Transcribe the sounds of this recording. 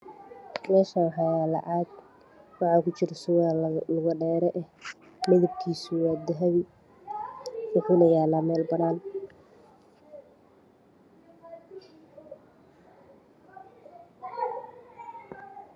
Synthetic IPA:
mɛːʃawħɑjaːlɐ̰ʔaːd̪ | wɑħɑːkʰʊt͡ʃɪɾɐsʊɣalʊɣɐɖɛːɾɛʔɛh | mɪðɐb̚kʰiːsʊwaːd̪ɪɦɐβi | sʊħʊnɐjaːlaːmɛːlbɐnaːn

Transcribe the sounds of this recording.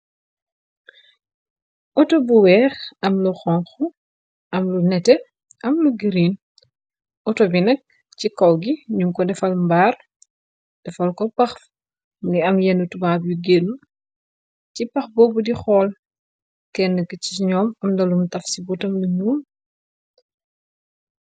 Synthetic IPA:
ʔɔtɔbuwɛːxɐmluxɔŋxu | ʔɐmlunɛtɛ | ɐmluɡiɾiːn | ɔtɔbinɛk̚ | cikɔwɡiɲuŋkɔdɛfɐlmbaːr | d̥ɛfɐlkɔpɐx | mɡiɐmjɛnːutubaːbjuɡeːnːu | cipɐxbɔːbudixɔːl | kɛnːəkəciɲɔːmɐmdɐlumtɐfsibutɐmluɲuːm

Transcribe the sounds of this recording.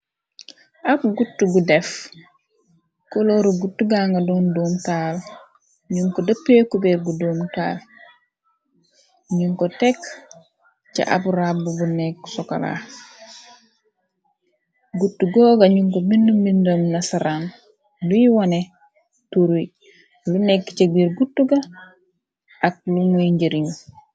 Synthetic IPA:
ʔabɡutːuɡudef | koloɾuɡutːuɡaŋɡadondoːmtal | ɲuŋkɔdəpːekubeɡuduːmta̰ːl | ɲuŋkɔtek | t͡ʃa̰ʔa̰buɾabːuɡuneksɔka̰la̰ | ɡutːuɡɔːɡaɲuŋkobinːumːindamnasaɾan | lujwane | tuɾu | lunekːt͡ʃeɡiɾɡutːuɡa | ʔak̚lumujɲɟeɾiɲu

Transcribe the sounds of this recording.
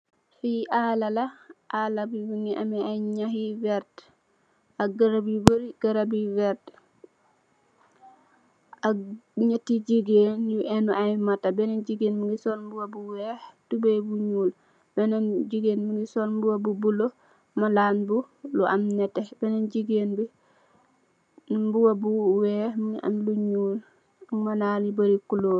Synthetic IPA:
fiʔalalaʔalabiwuŋiʔa̰mɛajɲahivɛɾt | aɡaɾabiboɾiɡ̥aɾabiwɛɾt | aɲatːid͡ʒiɡenjuʔɛnuʔajmatabɛnand͡ʒiɡenmuŋɡisɔnbuwabuwɛhtubebuɲuːl | b̥ɛnanɟiɡeːnmuŋɡisɔlmbuwabubulo | malaːnbu | luamnɛtebɛnanɟiɡeːnbi | mbuwabuwɛhmiʔa̰mluɲuːl | malaːnibaɾikuloː

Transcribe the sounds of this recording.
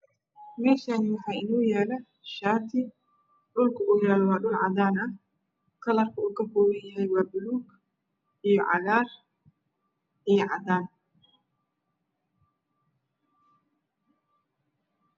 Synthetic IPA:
mɛːʃaːnɪwɑħɑːɪnuːjɛːlɐ | ʃaːt̪ʰɪ | ɗʊlkʰɐʔuːjɛːlɔwɑːɗʊʕɑ̰ðaːnɐ | kʰɐlɐrkʰɐuːkɐŋkɔːɾɪjɪɦɛjwɑːbʊluːɡ | ʔijɔʕɑ̰ɣaːr | ʔijɔʕɑ̰d̪aːn

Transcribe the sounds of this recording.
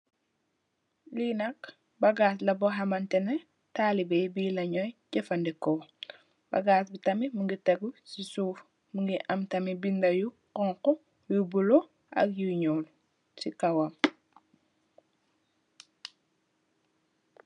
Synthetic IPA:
liːnɐk | bɐɡaːs̬lɐbɔɦɐmɐntɛnɛ | taːlibɛjbiːlɐɲɔjɟɛfɐndɛkɔ | b̥ɐ̰ɡaːsbitɐmimuŋɡitɛɡusisuːf | muŋɡiʔɐmtɐmibindɐju | qɔŋkɔ | jubulɔ | ʔɐ̰kjuɲɔːl | sikɐwɐm

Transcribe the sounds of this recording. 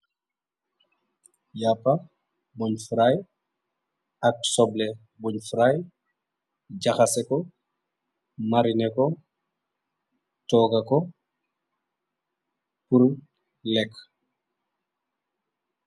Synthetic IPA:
japːɐ | buɲfuɾaj | ɐk̚sɔble | buɲfɾaj | ɟaxasɛkɔ | maɾinɛkɔ | tɔɡɐkɔ | puɾu | lɛk

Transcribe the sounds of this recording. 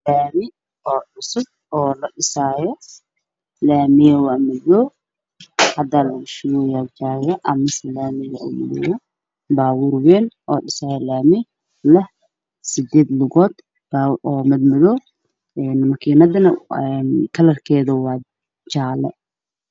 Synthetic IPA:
laːmɪ | ɔːɗʊsʊb̚ɔːlɐɗɪsaːjɔ | laːmɪjɐwɑːmɪðɔ | hɐd̪aːlɐʊʃʊwɔjad͡ʒaːjɐʔɐmɪsɐlaːmɪjɐṵːmɪðɪ̰wɔ | baːwʊːrwɛːnʔɔːɖɪsaːjɛlaːmɪ | lɐh | sɪd̪ɛːd̪lʊɣɔːd̪ | baʔɔːmɪd̪mɪðɔː | ɛnmɐkʰiːnɐðɐnɐɛnkʰɐlɐrkʰɛːðɐwɑː | t͡ʃaːlɛ̰

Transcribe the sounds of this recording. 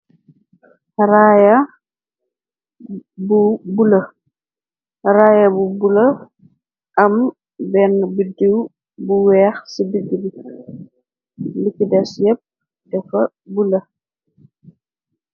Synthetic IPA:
raːjɐ | bubulɐ | raːjɐbubulɐ | ʔɐm | bɛnbudiw | buwɛːxsibiɡibi | likːidɛsjɛp̚ | dɛfɐ | bulɐ

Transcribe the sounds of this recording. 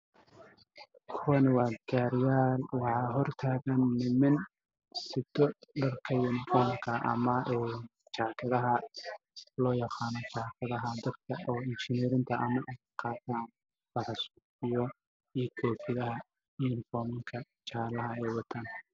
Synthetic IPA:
kʰʊwɐnɪwɑːɡaːɾjaːlwɑħɑːɦɔrt̪ʰaːɣɐnːɪmɐn | sɪd̪ɔɖɐrkʰɐjɐnfɔnɐrkʰɐʔɐ̰mɐu | t͡ʃaːkʰɐðɐɦɐ | lɔːjɑqɑːnɔt͡ʃaːkʰɐðɐɦɐd̪ɐd̪̚kʰɐʔɔːɪnt͡ʃɪnɛːɾɪnt̪ʰɐʔɐmɐʔɛjqɑːt̪ʰaːn | fɐrɐsuːfɪjɔ | iːkʰɔːfɪðɐɦɐ | iːɪnfɔːmɪŋkʰɐ | t͡ʃaːlɐɦɐɛjwɑt̪ʰaːn

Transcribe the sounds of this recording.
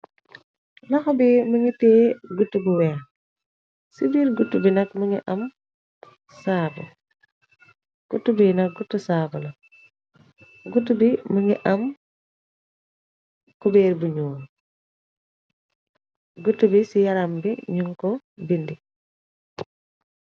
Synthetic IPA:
lɐxɔbiməŋitɛːɡutːubuwɛːx | sibiːɾɡutːubinɐkməŋiʔɐm | saːbṵ | ɡ̥utːubinɐk̚ɡutːusaːbulɐ | ɡutːubiməŋiʔɐm | kɔbɛːɾbuɲuːn | ɡutːubisijɐɾambiɲuŋkɔ | bindi

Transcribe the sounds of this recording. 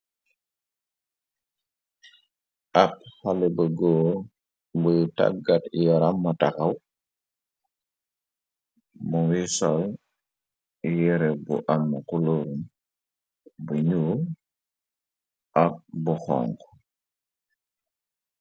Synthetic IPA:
ʔaphalɛbəɡoː | bujta̰ɡatjaɾamːatakaw | muwisol | ijɛɾɛbṵʔamːakuloɾum | buɲu | ʔak̚buxɔ̰ŋk

